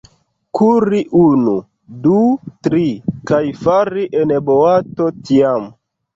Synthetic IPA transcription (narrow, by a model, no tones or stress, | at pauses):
kʰuɾiʔunu | dutɾikajfaɾiʔeneboatotiam